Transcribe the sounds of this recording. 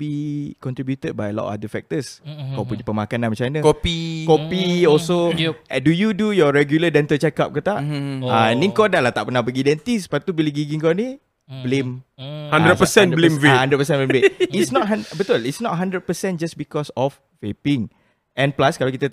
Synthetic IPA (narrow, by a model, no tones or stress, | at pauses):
bikɔ̃nt̪ɾibjut̪əd̚bajəlɔ̰ta̰dəfɛk̚t̪əskawpuɲapəmakanãnmat͡ʃanəkɔpikɔpiɔlsodujudujɔɹɛɡjulədɛnt̪ət͡ʃɛka̰p̚kot̪aʔanĩŋkɔdalaht̪aʔpənahbəɡiːdɛnt̪ispat̪ubiliɡiɡiŋkoni | blemhandɾədpəsɛ̃nblemvehãndɾət̚pəs̬ɛ̃nblemveisnɔt̚ɦanbət̪uəlitsnɔt̚ɦãndɾəd̚pəsɛ̃nd͡ʒasbikɔsɔf | vepiŋ | ɛ̃nplaskalawkit̪a